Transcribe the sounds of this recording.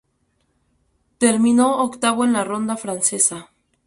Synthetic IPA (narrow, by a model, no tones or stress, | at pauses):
t̪e̞ɾmĩno̞ːkt̪aβoenlaro̞nd̪afɾanse̞sa